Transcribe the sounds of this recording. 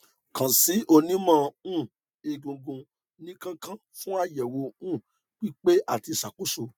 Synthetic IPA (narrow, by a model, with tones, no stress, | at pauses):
kã˨si˨˦ʔo˧nĩ˦mã˦˧ũ˦˨ | e˧ɡũ˧ɡũ˧ | nĩ˦kã˦kã˦fũ˦a˦˨jɛ˨wo˧˦ũ˦˨ | k͡pi˦k͡pe˦ʔa˦˨ti˧˨sa˨k͡pu˨˦so˧